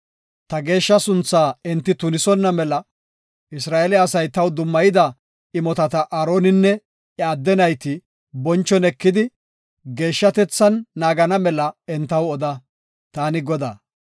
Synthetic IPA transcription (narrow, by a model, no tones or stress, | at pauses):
t̪ɐɡe̞ːʃːɐsʊnt͡sːaːɪnt̪ːɪt̪ʊnɪsɔnːɐmɛlɐ | ɪsɾaːʔelɪɐsɐjt̪ɐwd̪ʊmːɐjɪd̪ɐ | ɪmɔt̪ɐt̪ɐʔaːɾo̞ːnɪnːɛ | ɛad̪ːɛnɐjt̪ɪ | bɔnt͡ʃːɔnɛkːɪd̪ɪ | ɡe̞ːʃːɐt̪ɛt͡sːɐnːaːɡɐnɐmɛlɐɛnt̪ːɐwɔd̪ɐ | t̪aːnɪɡɔd̪aː